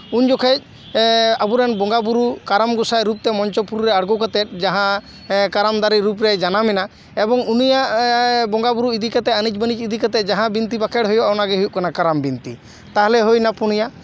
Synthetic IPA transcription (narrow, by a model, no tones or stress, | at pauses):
uɲd͡ʒɔkʰɛc̚ | abuɾanbɔŋɡabuɾukaɾamɡusajɾup̚t̪ɛmɔɲt͡ʃɔpuɾuɾɛaɽɡɔkat̪ɛt̪̚ˀd͡ʒaɦã | kaɾamd̪aɾiɾupɾɛd͡ʒanamɛna | ebɔŋunijaʔbɔŋɡabuɾuid̪ikat̪ɛənit͡ʃbənit͡ʃid̪ikat̪ɛd͡ʒaɦãbint̪ibakʰɛɽɦɔjɔɔnaɡɛɦuuʔkanakaɾambint̪i | t̪aɦɛlɛɦojnapuɽ̃ija